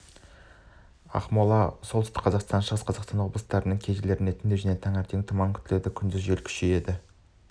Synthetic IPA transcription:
ɑ̰qmolˠɑsolˠt̪ʏst̪ɪkqʰɑzɑqst̪ɑnʃəʁəsqʰɑzɑqst̪ɑnwo̞blˠəst̪ɑɾənəɴkʲʰeʒɪle̞ɾɪne̞t̪ʰɪnd̪ewʒænet̪ʰɑŋæɾt̪ʰe̞ŋt̪ʰʊmɑŋkʲʰʏ̥t̪ɪle̞ɾd̪ɪkʲʰʏnd̪ɪzʒelkʲʰʏ̥ʃeje̞d̪ɪ

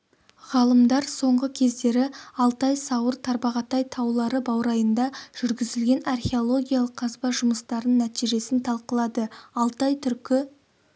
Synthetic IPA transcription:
ʁɑlˠəmd̪ɑɾso̞ɴʁəkʲʰe̞zd̪e̞ɾɪɑlˠt̪ɑjsɑwəɾt̪ʰɑɾbɑʁɑt̪ɑjt̪ʰɑwlˠɑɾəbɑwɾɑjənd̪ɑʒ̥ʏɾɡʲɪzɪlɡʲe̞nɑrχʲe̞o̞lˠo̞ɡʲijalˠəqʰːɑzbɑʒʊməst̪ɑɾənːæt̪iʒe̞sɪnt̪ʰɑlˠqəlˠɑd̪əɑlˠt̪ɑjt̪ʰʏɾkʲɪ

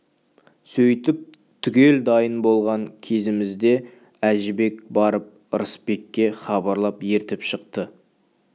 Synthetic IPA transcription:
sɵjt̪ɪp̚ | t̪ʰʏkʲe̞ld̪ɑjənbo̞lˠʁɑŋkʲʰe̞sɪmɪzd̪e̞ | æʒɪbe̞kbɑɾəp̚ | əɾəspe̞kʲːe̞χɑbɑɾlˠɑpje̞ɾt̪ɪpʃəqt̪ə

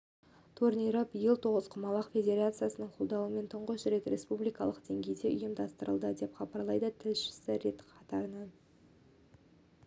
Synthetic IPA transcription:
t̪ʰuɾniɾəbɪjəlˠt̪ʰo̞ʁəz̥qʰʊmɑlˠɑqfʲe̞d̪ʲe̞ɾat̪sɨjasənəɴqʰo̞lˠd̪ɑwəme̞nt̪ʰəɴʁəʃɪɾe̞kɾe̞spublijkɑlˠəqd̪e̞ŋɡʲe̞jd̪e̞ʔʊ̰jəmd̪ɑst̪əɾəlˠd̪əd̪e̞pχɑbɑɾlˠɑjd̪ət̪ʰɪlʃɪ̥sɪɾe̞t̪qʰɑt̪ɑɾənən

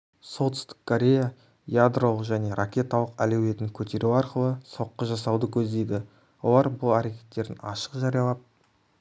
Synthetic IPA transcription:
so̞t̪ʰʏ̥st̪ɪ̥kkʰːoɾʲe̞ja | jad̪ro̞lˠəqʒæne̞ɾʔakʲe̞t̪ɑlˠəqæ̰lewe̞t̪ɪŋkʲʰɵt̪e̞ɾʔuwɑɾqəlˠəso̞qːəʒɑsɑwd̪əkʲʰɵzd̪e̞jd̪ɪ | wo̞̰lˠɑɾbʊlˠæɾe̞kʲe̞̥t̪ːe̞ɾd̪ɪnɑʃə̥qʒɑɾijɑlˠɑd̪ə

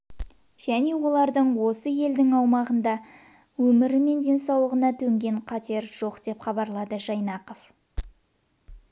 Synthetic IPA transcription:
ʒ̥æne̞wo̞lˠɑɾd̪əɴwo̞səje̞ld̪ɪŋɑwmɑʁənd̪ɑ | wɵmɪɾɪme̞nd̪ʲe̞nsɑwlˠəʁənɑt̪ʰɵŋɡʲe̞ɴqʰɑt̪e̞ɾʒo̞qd̪̥e̞pχɑbɑɾlˠɑd̪əʒɑjnɑqof

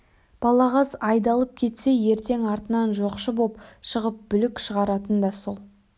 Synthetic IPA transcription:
b̥ɑlˠɑʁɑzɑjd̪ɑlˠəp̚kʲʰe̞t̪se̞je̞ɾt̪e̞ŋɑɾt̪ənɑnʒo̞qʃəbopʃəʁəp̚bʏlɪkʃəʁɑɾɑt̪ənd̪ɑso̞lˠ

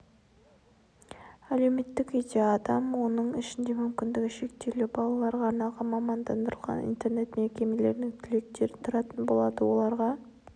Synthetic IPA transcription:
æle̞wme̞t̪ːɪked̪eɑd̪ɑmwo̞nəɴɪʃɪnd̪e̞mʏmkʲɪnd̪ɪɡʲɪʃe̞k̚t̪e̞lubɑlˠɑlˠɑɾʁɑːɾnɑlˠʁɑmɑmɑnd̪ɑnd̪əɾəlˠʁɑ̰nḭnt̪e̞ɾne̞t̪mekʲe̞me̞le̞ɾnɪŋt̪ʰʏle̞k̚t̪e̞ɾɪt̪ʰʊɾɑt̪ənbo̞lˠɑd̪əwo̞̰lˠɑɾʁɑ

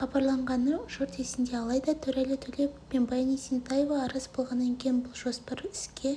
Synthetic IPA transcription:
χɑbɑɾlˠɑɴʁɑnəʒʊɾt̪esɪnd̪e̞ɑlˠɑjd̪ɑt̪ʰɵɾælɪt̪ʰɵle̞pːenbɑjnijsent̪ɑjevɑːɾɑzbo̞lˠʁɑnːɑŋkʲʰe̞jɪnbʊlˠʒo̞spɑɾɪskʲʰe̞

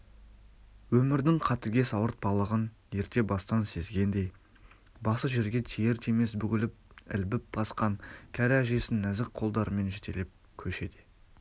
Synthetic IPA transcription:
wɵmɪɾd̪ɪŋqʰɑt̪əɡʲe̞sɑwəɾt̪̚bɑlˠəʁən | je̞ɾt̪e̞bɑst̪ɑnse̞zɡʲe̞nd̪e̞j | bɑsəʒe̞ɾɡʲe̞t̪ʰejeɾt̪ʰeme̞sbʏkʲɪlɪp̚ɪ̰lbɪp̚b̥ɑsqɑŋkʲʰæɾæʒe̞sɪnːæzɪk̚qʰo̞lˠd̪ɑɾəme̞nʒet̪ʰe̞̰lɪp̚ | kʲʰɵʃe̞d̪e

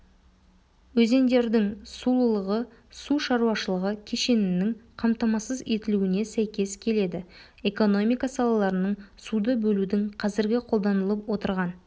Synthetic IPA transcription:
wɵze̞nd̪e̞ɾd̪ɪŋsulˠəlˠəʁə | suʃɑɾuɑʃəlˠəʁəkʲʰe̞ʃe̞nɪnɪŋqʰɑmt̪ɑmɑsəze̞t̪ɪluwɪne̞sæjkʲe̞skʲʰe̞le̞d̪ɪ | e̞ko̞no̞mijkɑsɑlˠɑlˠɑɾənəɴsud̪əbɵlud̪ɪŋqʰɑzɪɾɡʲɪqʰolˠd̪ɑnəlˠəpwo̞t̪əɾʁɑn

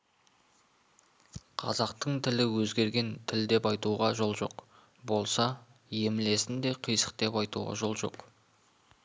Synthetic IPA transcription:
qʰɑzɑqt̪əɴt̪ʰɪlɪwɵzɡʲe̞ɾɡʲe̞nt̪ʰɪld̪e̞pɑjt̪uʁɑʒo̞lˠʒo̞̰q | bo̞lˠsɑ | je̞mɪle̞sɪnd̪e̞qʰəjsə̥q̚t̪e̞pɑjt̪uʁɑ̰ʒo̞lˠʒo̞̰q

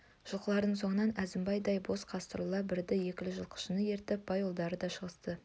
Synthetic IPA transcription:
ʒ̥əlˠqəlˠɑɾd̪əɴŋso̞ɴənɑnæzɪmbɑjd̪ɑjbo̞sqʰɑst̪əɾlˠɑbɪɾd̪ɪje̞kʲɪlɪʒəlˠqʰə̥ʃənəje̞ɾt̪ɪp̚bɑjo̞lˠd̪ɑɾəd̪ɑʃəʁəst̪ə

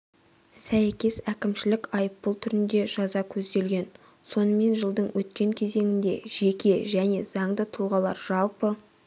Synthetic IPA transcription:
sæjkʲe̞sækʲɪmʃɪlɪkɑjəpːəlˠt̪ʰʏɾɪnd̪e̞ʒ̥ɑzɑkʲʰɵzd̪e̞lɡʲe̞n | so̞nəme̞nʒəlˠd̪əɴwʔɵt̪kʲe̞ŋkʲʰe̞ze̞ŋɪnd̪e̞̰ʒ̥e̞kʲe̞ʒæne̞̰z̥ɑɴd̪ət̪ʰulˠʁɑlˠɑ̰ɾʒɑlˠpə

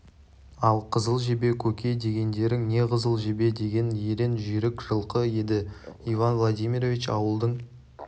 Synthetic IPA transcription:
ɑlˠqʰəzəlˠʒebe̞kʲʰɵkʲʰe̞d̪e̞ɡʲe̞nd̪e̞ɾɪŋne̞qʰəzəlˠʒebe̞d̪e̞ɡʲe̞njeɾe̞nʒʏjɾɪkʒ̥əlˠqəje̞d̪ɪivanvlˠad̪ijmʲiɾovʲit͡ʃɑ̰wəlˠd̪əɴ

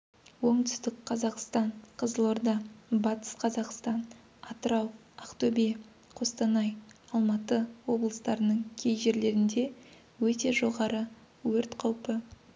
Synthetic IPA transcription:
wo̞ɴt̪ʏ̥st̪ɪk̚qʰɑzɑqst̪ɑɴqʰəzəlˠoɾd̪ɑbɑt̪ə̥sqʰɑzɑqst̪ɑn | ɑt̪əɾɑw | ɑqt̪ɵbe | qʰo̞st̪ɑnɑjɑlˠmɑt̪əwo̞blˠəst̪ɑɾənəɴkʲʰe̞jʒe̞ɾle̞ɾɪnd̪e̞ | wɵt̪e̞ʒo̞ʁɑɾə | wɵɾt̪qʰɑwpə

